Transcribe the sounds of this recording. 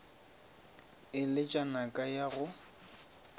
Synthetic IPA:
ɪlɪt͡ʃʼanakʼajaɣʊ

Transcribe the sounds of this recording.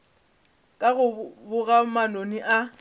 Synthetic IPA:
kʼaɣʊbʊɣamanoniʔa

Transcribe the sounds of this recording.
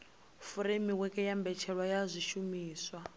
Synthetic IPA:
fuɾemiwɛkʼɛjambɛt͡ʃʰɛɺwajazʷiʃumiːswa

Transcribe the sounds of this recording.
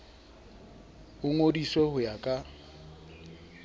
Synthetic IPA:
ʊŋodiswehʊjakʼa

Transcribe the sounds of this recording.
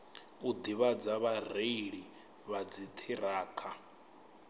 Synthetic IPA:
ud̪iβad͡zaβareiɺi | βad͡zitʰiɾaːkʰa

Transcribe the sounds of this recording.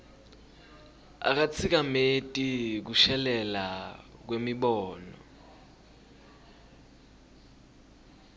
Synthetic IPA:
a̰k̬at͡sʰik̬ametʼik̬uʃɛlɛlak̬wemiɓɔːnɔ̰

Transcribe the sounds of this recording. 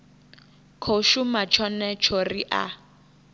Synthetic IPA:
kʰoʃumat͡ʃʰɔnɛt͡ʃʰoriʔa̰

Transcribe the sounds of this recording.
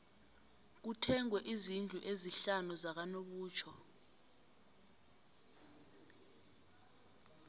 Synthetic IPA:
k̬utʰɛŋwɛʔizind͡ɮʱuʔeziɬanuzak̬anoɓuːt͡ʃʰɔ

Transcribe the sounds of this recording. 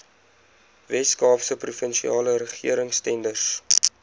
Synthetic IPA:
vɛskɑːpsəprufənʃiɑːləɾəχḭəɾəŋstɛndərs

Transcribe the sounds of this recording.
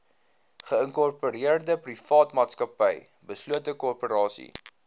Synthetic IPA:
χəəŋkɔrpoɾiərdəprifɑːtmɑːtskɐpəj | bəsluətəkɔrpəɾɑːsḭ

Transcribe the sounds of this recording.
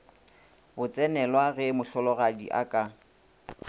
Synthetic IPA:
bʊt͡sʼɛnɛlwaɣɛmʊɬɔlɔɣadḭʔa̰kʼa

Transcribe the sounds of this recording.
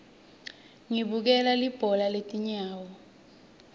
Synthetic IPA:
ŋiɓuk̬ɛlalib̥ʱɔlaletʼiɲaːwɔ

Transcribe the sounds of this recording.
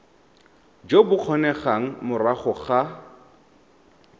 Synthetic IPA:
d͡ʒobʊq͡χʰɔnɛχaŋ̩mʊraχɔχa

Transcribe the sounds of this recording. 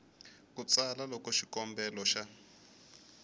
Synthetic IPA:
kut͡salalɔkɔʃikɔmbɛlɔʃa

